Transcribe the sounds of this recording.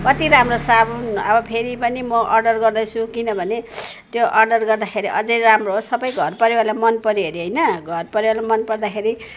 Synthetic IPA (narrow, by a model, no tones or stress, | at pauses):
kʌt̪iɾamrosabunʌbʌpʰeɾipʌnimʌʔʌrɖʌrɡʌrd̪ʌjt͡sʰukinʌbʱʌne | t̪joʔʌrɖʌrɡʌrd̪axʰeɾiʔʌd͡zʌjramroɦosʌbʌjɡʱʌrpʌɾewalamʌnpʌɾiɦʌɾiɦʌjnʌɡʱʌrpʌɾewalamʌnpʌrd̪axʰeɾi